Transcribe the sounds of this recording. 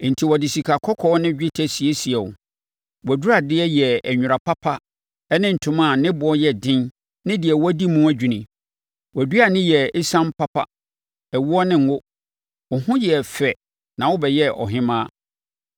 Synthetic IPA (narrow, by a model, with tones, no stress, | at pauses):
n̩˨tʰi˨wɔ˨dɪ˨si˨kʰa˨kʰɔ˦kʰɔ˦nɪ̃˦d͡ʑᶣɪ˦tʰæ˦si˨e˦si˨ɛ˨wʊ̰˨ | wɔ˨du˦ɾa˨dɪ˦ɛ˦jɛ˨æ˨ɲᶣʊ˨ɾa˨pʰa˦pʰa˦ | ɛ˦nɪ̃˦n̩˨tʰʊ̃˨mã˦˨nɪ̃˦bʊ˨˦ɔ˦jɛ˨dɪ̃˦n | nɪ̃˦dɪ˨ɛ˨wɔ˦di˦mũ˦æ˦d͡ʑᶣi˨nɪ̃˨ | wɔ˨du˦a˨nɪ̃˦jɛ˨ɪ˦sã˦m˦pʰa˦pʰa̰˦ | ɛ˨wʊ˦ɔ˦nɪ̃˦ŋ˦ʊ˦ | ʊ˨hʊ̃˦jɛ˨fɛ˨ | nã˨wʊ˦bɛ˨jɛ˦ʔɔ̰˨ɦɪ̃˦mãː˦